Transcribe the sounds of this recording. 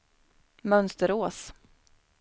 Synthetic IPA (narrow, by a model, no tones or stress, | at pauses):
mœnst̪əɾoːs